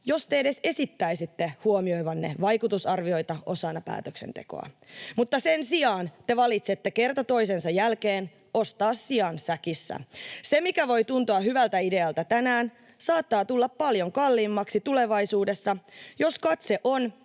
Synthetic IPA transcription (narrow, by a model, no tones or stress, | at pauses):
jo̞st̪eede̞se̞sit̪ːæisit̪ːehuomio̞jʋɑnːḛʋɑjkut̪usɑrʋio̞jt̪ɑʔo̞sɑnːɑpæ̰ːt̪øksḛnt̪ḛko̰ɑ̰mut̪ːɑsensiɑːnt̪e̞ʋɑlit̪set̪ːeke̞rt̪ɑt̪o̞isensɑjælkeːn | o̞st̪ɑːsːiɑnsækisːæ̰se̞mikæʋo̞jt̪unt̪uɑɦyʋælt̪æide̞ɑlt̪æt̪ænæːn | sɑːt̪ːɑːt̪ulːɑppːɑljo̞ŋkɑlːiːmːɑksit̪ule̞ʋɑjsuːdesːɑjo̞skɑt̪se̞ʔo̞n